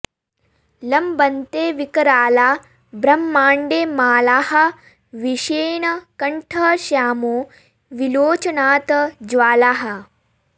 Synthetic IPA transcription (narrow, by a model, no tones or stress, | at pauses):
lɐmbɐnt̪eːʋikɐɾaːlaː | bɾɐmːaːɳɖeːmaːlaːɦɐ̆ | ʋiʃeːnɐkɐɳʈʰɐːʃjaːmo | ʋiloːt͡ʃɐnaːt̪ɐd͡ʒʋaːlaːɦɐ̆